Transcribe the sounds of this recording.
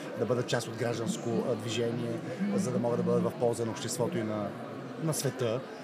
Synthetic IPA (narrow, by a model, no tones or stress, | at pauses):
d̪ɐbɤd̪ət͡ʃast̪od̪ɡɾaʒd̪ənskod̪viʒɛniɛzɐd̪ɐmɔɡəd̪ɐbɤd̪ət̪vɐfpɔlˠzvɐnoːpʃt̪ɛst̪vɔt̪oinɐ | nɐsvɛt̪ɤ